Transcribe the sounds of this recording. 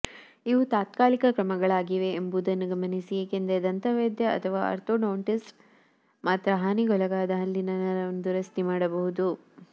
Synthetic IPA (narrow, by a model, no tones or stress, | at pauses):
iʋut̪aːt̪kaːlikɐkɾɐmɐɡɐɭaːɡiʋeːmbud̪ɐnːɐɡɐmɐnisiekend̪ed̪ɐnt̪ɐʋeːd̪jɐɐ̰t̪ʰɐʋaːʔɐ̰ɾt̪oːnɐːɳʈis | maːt̪ɾɐɦaːniɡɔlɐɡaːd̪ɐɦɐlːinɐnɐɾɐond̪uɾɐst̪imaːɽɐbɐɦud̪u